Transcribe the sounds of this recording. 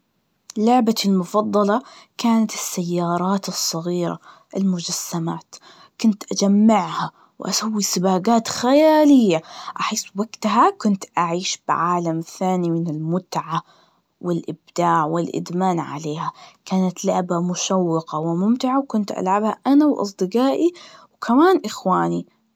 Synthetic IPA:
lʊʕbalmʊfɑd̪ˤːɑlɑkaːnat̪ɪsːajːɑːɾˤɑːt̪ɨsˤːɑɣiːɾa̰ | ʔɪlmʊd͡ʒasːamaːt̪ | kʊnt̪ʔad͡ʒamːɪʕha | wʔa̰sawːisɪbaːɡaːt̪xajaːlɪjːaʔaħɪːswaɡt̪ɦakʊnt̪ʔaʕiːʃbɪʕaːlamθaːnimɪnɪlmʊt̪ʕa | wɪlʔɪbd̪̥aːʕwɪlʔɪ̰d̪maːnʕa̰leːhakaːnat̪laʕbamʊʃawːɪqawɪmʊmt̪ɪʕawkʊnt̪ʔa̰lʕabhaʔanawʔɑ̰sˤd̪ɨɡaːʔiwkʰamaːnʔɪxwaːni

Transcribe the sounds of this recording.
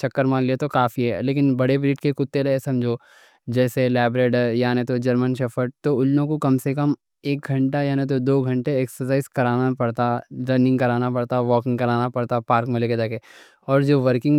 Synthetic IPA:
t͡ʃɐkːəɾmãliet̪okaːfiɦɛ̰leːk̬ɪnbɐɽebɾiːʈkekʊt̪ːeɾɐesɐmd͡ʒʱo | d͡ʒɛːselɛːbɾeːɖjaːnet̪od͡ʒɐɾmənʃɐfəʈ̚t̪oʊlnõkokɐmsekɐm | eːk̚ɡʱɐ̃ɳʈajaːnẽt̪̬od̪oːɡʱɐ̃ɳʈeeːksəɾsaːɪzkɐɾaːnapɐɽt̪aɾə̃nɪ̃ŋɡkɐɾaːnapɐɽt̪aʋɔːkɪ̃ŋɡkɐɾaːnapɐɽt̪apaːɾkmẽleːked̪eke | ɔːɾd͡ʒoːʋəɾkɪ̃ŋ

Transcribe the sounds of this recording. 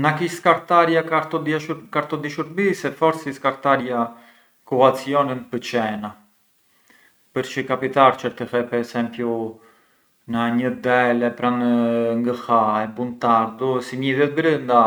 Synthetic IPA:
nakiskaɾt̪aɾjakat̪ɔd̪ʃukaɾt̪ɔd̪iʃuɾbisɛfɔɾsiskaɾt̪aɾja | kɔat͡siɔninpət͡ʃɛna | pəɾt͡ʃikapit̪aɾt͡ʃəɾt̪əhɛpɛɾɛsɛmpju | naɲəd̪ɛlɛpɾanŋɡəhaɛbunt̪aɾd̪usimiðɛt̪̚bɾənd̪a

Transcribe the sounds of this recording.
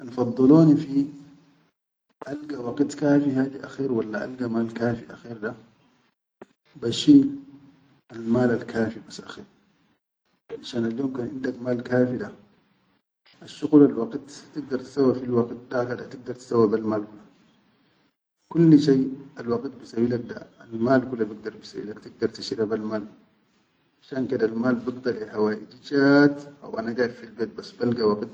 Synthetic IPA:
ʔanfɑd̪ˤːɨloːnifi | ʔalɡawɑɡt̪kaːfiɦaːd̪iʔaxiːɾwalːaʔa̰lɡamaːlkaːfiʔa̰xiːɾd̪a | baʃiː | almaːlalkaːfibasːʔa̰xiːɾ | ʕaʃaːnaljoːmkaːnʔɪnd̪akmaːlkaːfid̪a | ʔaʃːuɣulalwɑɡt̪t̪iɡ̚d̪ɑɾˤt̪i̥sawːafilwɑɡt̪̚d̪akad̪at̪iɡ̚d̪ɑɾˤt̪i̥sawːabalmaːlkulːa | kulːʃajalwɑɡt̪̚bisawilak̚d̪a̰almaːlkulːabiɡd̪ɑɾˤbisawḭlakt̪iɡ̚d̪ɑɾˤt̪iʃɾabalmaːl | ʕaʃaːnkad̪almaːlbiɡd̪ɑlihawaːʔid͡ʒid͡ʒaːt̪ʔa̰wʔanaɡaːdfilbat̪̚basːbalɡawɑɡt̪

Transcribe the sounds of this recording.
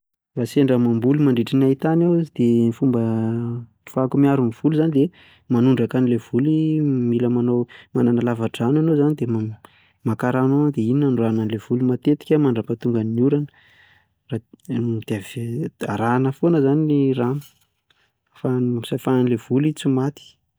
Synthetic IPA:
raseɳɖ͡ʐəmambulimaɳɖ͡ʐiʈ͡ʂinait̪anawd̪̥enifumbə | fakumiaɾuniv̥uluzanid̪e | manuɳɖ͡ʐakanilev̥ulimiləmanomananalavaʈ͡ʂananozanid̪ema | makaɾanoad̪eininanɖ͡ʐananilev̥ulumat̪et̪i̥kʲəmaɳɖ͡ʐəpat̪uŋɡanniuɾanə | rad̪̥eava̰ɾanəfonəzaniiram | fansafananilev̥ulit͡simat̪i̥

